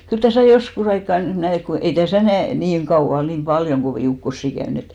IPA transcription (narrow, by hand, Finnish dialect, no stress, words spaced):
kyl tæsæˑ joskus ɑikːɑ næi et ko ei tæsæˑ næi niːŋ ɡ̊ɑuw̆ɑ niːm b̥ɑljoŋ ɡ̊oʋiˑ ukːosːi kæyn et